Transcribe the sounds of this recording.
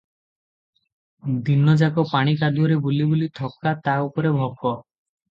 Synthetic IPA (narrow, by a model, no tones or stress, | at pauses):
d̪inɔd͡ʒakɔpaɽ̃ikad̪uɔɾebulibulit̪ʰɔkːat̪aupɔɾebʱɔkɔ